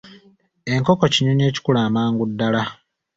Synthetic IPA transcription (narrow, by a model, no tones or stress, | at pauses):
e̞ŋko̞ko̞cinone̞ːci̥kulaːmaːŋɡudːala